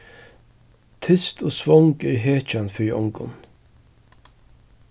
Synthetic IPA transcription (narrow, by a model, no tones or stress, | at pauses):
t̪ʰʏst̪ɔsvɔŋkɛɹɦeːt͡ʃanfɪɹiʔɔ̰ŋkʊ̰n